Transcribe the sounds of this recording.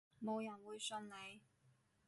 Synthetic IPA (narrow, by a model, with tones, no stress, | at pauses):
mo˨˧wjɐ˨˩nwuː˨˧jsɵ˧nne˨˧j